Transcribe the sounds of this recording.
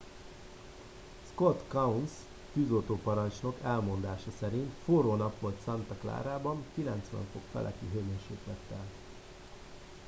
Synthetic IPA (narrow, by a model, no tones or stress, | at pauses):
skot̪kɒuns | k̪yzoːt̪oːpɒɾɒnt͡ʃno̞kɛlmo̞nd̪aːʃɒsɛɾint̪foːɾoːnɒpʋo̞lt̪sɒnt̪ɒkla̰ːɾaːbɒŋkilɛnt̪sʋɛ̰ɱfo̞kfɛ̰lʔɛ̰kiɦøjmeːʃeːk̪lɛt̪ːɛl